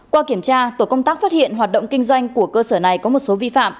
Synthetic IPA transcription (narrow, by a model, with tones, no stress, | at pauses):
kwaː˧ki˧˩əmt͡ɕaː˧t̪o˧˩kə˧wŋ͡mt̪aː˦˥k̚faː˦˥t̚hḭ˧˨ənhɦaː˨˩t̚ɗə̰˧˨wŋ͡mkï˧ŋ̟zwa˧jŋ̟ku˧˩əkəː˧səː˧˩na˨˩jkɔ˨˦mo˨˩t̚so˨˦vi˧fa̰ː˧˨m